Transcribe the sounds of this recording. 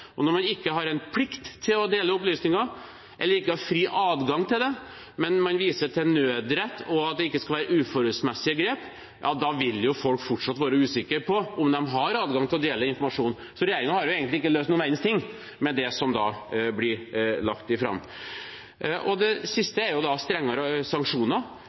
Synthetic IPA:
ɔnɔɾmɑnɪkːəɦɑɾɛnpʰlɪkt̪ʰːɪlɔd̪eːləʊplyːsnɪŋɑ | ʔɛ̰lːəɾɪkːəhɑɾfɾiːʔɑːd̪ɡɑŋːt̪ʰɪld̪ɛ | mɛnmɑnʋiːsəʈ̪ʰɛnøːd̪ɾɛt̪ːɔɑt̪̚d̪ɛɪkːəskɑlʋæːɾəʉːfɔɾʉlsmɛsːɪəɡɾeːp | jʔɑ̰ːd̪ɑʋɪljʊfɔlkfɔʈʂɑt̪ːʋɑːɾəʉːsɪkːəɾpʰɔʔʊmd̪ɛmɦɑɾɑːd̪ɡɑŋt̪ʰɪlɔd̪eːləɪnfɔɾmɑʂuːn | sɔɾɛjeːɾɪŋɑhɑɾjʊeːɡənɪɪkːəløːst̪nuːnæɪst̪ʰɪŋː | mɛd̪ɛsɔmd̪ɑ̰blɪɾlɑkt̪ɪfɾɑ̰mː | ʔɔd̪ɛsɪst̪əɛɾjʊd̪ɑst̪ɾɛŋːɑɾəsɑŋkʂuːnɑ

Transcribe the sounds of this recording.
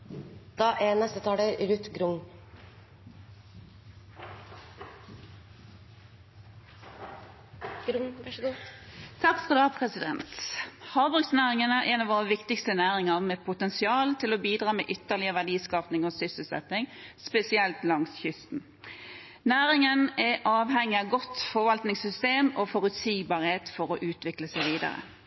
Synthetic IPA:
d̪̥ɑːʔɛnɛst̪ət̪ʰɑːləɾɾʉt̪ɡɾʊŋ | t̪ʰɑkfʁɔd̪ɑpʰʁɛsɪd̪ɛ̰nt̪hɑːʁbʁʉɡsnæːʁɪŋənəʔɛnɑʋoːʁəʋɪkt̪ɪkst̪ənæːʁɪŋəʁmɛːpʰʊt̪ɛnsɪɑːlt̪ʰɪlɔbiːd̪ɾʁɑːmɛ̰ːʔʏt̪ːəʁlɪəʋæɖiːskɑːpnɪŋɔsʏsəl̩sɛ̰t̪nɪŋspɛsɪɛlt̪lɑŋsçʏst̪n̩ | næːʁɪŋənɛʔɑːʋɦɛŋːɪɑɡɔt̪fɔʋɑlt̪nɪŋsʏst̪eːmofɔɾʉt̪siːɡbɑːʁheːt̪fɔɾɔʔʉːt̪ʋɪkləsæɪʋiːd̪ɑ̰ʁə̰

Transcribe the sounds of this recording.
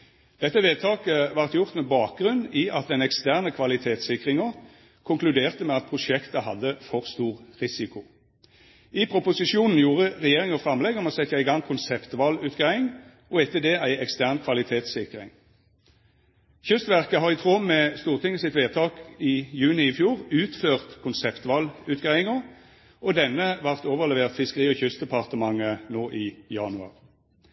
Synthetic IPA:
d̪̥ɛt̪ːəʋeːd̪t̪ʰɑːkəʋɑʁt̪jʊʁt̪mɛbɑːk̚ɡʁʉnːiːʔɑt̪̚d̪ɛnɛkst̪æʁnəkʰʋɑlɪt̪ʰeːt̪sɪkʁɪŋɔ | kʰʊŋklʉd̪eːʁt̪əmɛɑt̪̚pʰʁʊʃɛkt̪əhɑd̪ːəfɔʁst̪uːʁʁɪsɪkʊ | ɪpʰʁʊpʊsɪʃuːnn̩juːʁəʁɛjeːʁɪŋəfʁɑmlɛɡɔmɔsɛt̪jæɪɪɡɑŋkʰʊnsɛpt̪ʋɑlʉːt̪ɡæɪŋ | ɔɛt̪ːəd̪eːʔæɪɛkst̪æʁnkʰʋɑlɪt̪ʰeːt̪sɪkʁɪ̰ŋ | çʏst̪ʋæʁkəɦɑʁɪt̪ʰʁɔmmːɛːst̪uːʁt̪ʰɪŋəsɪt̪ʋeːt̪ʰɑːkiːjʉːnɪɪfjuːʁʉːt̪føːʁt̪kʰʊnsɛpt̪ʋɑlʉːt̪ɡ̥ʁæɪɪŋə | ɔd̪ɛnːəʋɑʁt̪oːʋəʁlɛʋeːʁt̪fɪskəʁiːɔçʏst̪d̪ɛpʰɑʁt̪əmɑŋənoːʔiːjɑnʉɑ̰ʁ

